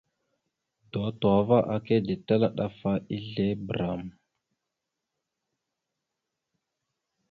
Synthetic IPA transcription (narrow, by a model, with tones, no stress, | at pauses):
do˨twa˨va˦ʔa˨ke˦di˨ta˦la˦ɗa˦fa˦i˦ɮe˦bɾa˨m